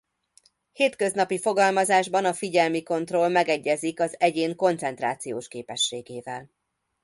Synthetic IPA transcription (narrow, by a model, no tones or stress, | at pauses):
heːt̪kø̞znɒpifo̞ɡɒlmɒzaːʒbɒnɒfiɟɛlmiko̞nt̪ro̞lmɛɡɛɟːɛzikɒzɛɟeːŋko̞nt̪sɛn̪t̪ra̰ːt̪sijo̰ːʃkeːpɛʃːeːɡeːvɛl